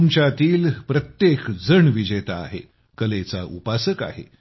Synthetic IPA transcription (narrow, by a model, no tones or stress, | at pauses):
mt͡ɕat̪iːlpɾət̪jekd͡zəɳʋid͡ʑet̪a̰ːɦḛ | kəlet͡sa̰ʔupasəka̰ɦḛ